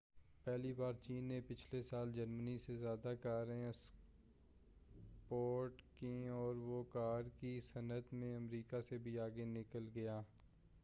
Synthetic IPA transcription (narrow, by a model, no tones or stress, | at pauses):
pɛːlibaːɾt͡ʃiːnːepɪt͡ʃʰlesaːld͡ʒəɾmənisezjaːd̪akaːɾes | poːɾʈkeɔːɾʋokaːɾkisɐnət̪mẽɐmɾiːkasebʱiaːɡenɪkəlɡɐjaː